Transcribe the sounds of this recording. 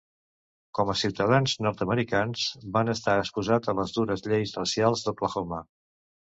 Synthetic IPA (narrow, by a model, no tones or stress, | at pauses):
kɔməsiwt̪əðanznɔɾt̪əməɾikanzbanəst̪aəkspuzat̪ələzd̪uɾəzʎejzrəsialˠzðəkləxoma